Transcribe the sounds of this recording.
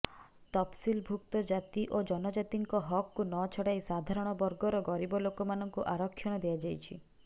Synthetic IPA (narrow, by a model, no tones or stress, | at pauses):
t̪ɔpsilbʱuk̚t̪ɔd͡ʒat̪iʔod͡ʒɔnɔd͡ʒat̪iŋkɔɦɔkːunɔt͡ʃʰɔɽajsad̪ʱaɾɔɽ̃ɔbɔɾɡɔɾɔɡɔɾibɔlokɔmanɔŋkuʔaɾɔkʰːjɔɽ̃ɔd̪ead͡ʒajt͡ʃʰi